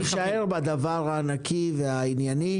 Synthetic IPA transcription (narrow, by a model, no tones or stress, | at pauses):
iʃaeʁbad̪avaʁhaːnakʰiveainjani